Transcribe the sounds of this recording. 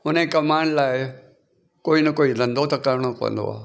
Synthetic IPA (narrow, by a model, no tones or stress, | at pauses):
ʊnẽkɐmãːɳɖlaːɪ | koːinɐkoːilɐ̃nd̪ot̪ɐkɐɾɽ̃õknd̪o̰a̰ː